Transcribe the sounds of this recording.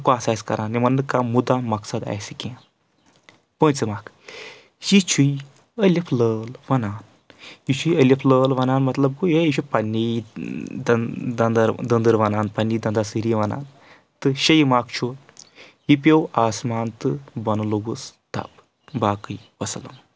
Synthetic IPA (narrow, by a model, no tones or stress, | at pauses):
kuaːsaːjskɐ̰ɾʔaːnːimɐnnɨkamud̪amɐksɐd̪a̰jsikʲẽ | pə̃nʲt͡sɨmaːk | jit͡ʃʰui | əlʲɐpʰləːlʋɐnaːn | jit͡ʃʰuiɐlɐpʰləːlʋɐnaːnmɐt̪lɐb̚kujeit͡ʃʰupɐnːi | d̪d̪ɐnd̪ɐɾd̪ɐnd̪ɨɾʋɐnaːnpɐnːijd̪ɐ̃nd̪asɨɾiʋɐna̰ːn | t̪ɨʃɐjimaːkt͡ʃʰo | ɦipʲewaːsmaːnt̪ɨbɐnloɡust̪ɐ̰b | baːkɨjpɐsɐlɐ̰m